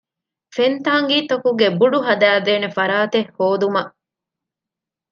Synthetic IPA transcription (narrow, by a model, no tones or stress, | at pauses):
fent̪aːŋɡiːt̪ɐkuɡebuɖuɦɐd̪æːd̪eːnefɐɾaːt̪ehhoːd̪umɐʔ